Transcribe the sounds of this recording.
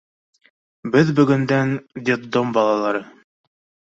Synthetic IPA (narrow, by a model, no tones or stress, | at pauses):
bɘðbɵ̆ɡɵ̆nd̪ænd̪ʲɪd̪ombɑlˠɑlˠɑɾɤ